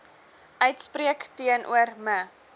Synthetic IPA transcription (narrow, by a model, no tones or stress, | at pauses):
ʔœɥtspriəktiənʔṵərmə